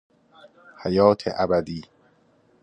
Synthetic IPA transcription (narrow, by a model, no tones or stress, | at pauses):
hæjɒːt̪ʰḛʔæbæd̪iː